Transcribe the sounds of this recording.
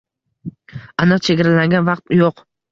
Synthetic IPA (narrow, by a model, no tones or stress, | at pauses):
anɨqt͡ʃʰeɡʲaɾalaŋɡʲanvɑqt̪joq